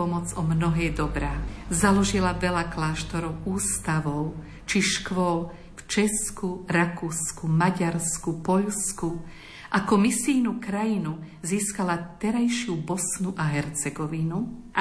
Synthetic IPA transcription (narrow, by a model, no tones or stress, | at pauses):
ɔmɔd͡zɔmnɔɦɛːd̪ɔbɾaːzalɔʒilaʋɛlaklaːʃt̪ɔɾɔʊuːst̪aʋɔʊ | t͡ʃiʃkʋɔl | ft͡ʃɛskuɾakuːskumaɟaɾskupɔʎsku | ʔakɔmisiːnukɾajinu | ziːskalat̪ɛɾajʃɪubɔsnuʔaɦɛɾt͡sɛɡɔʋinu